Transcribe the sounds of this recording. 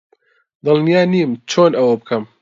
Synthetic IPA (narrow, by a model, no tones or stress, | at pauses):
d̪ɨlnijaːniːmt͡ʃʰoːnʔɐwɐbɨkʰɐm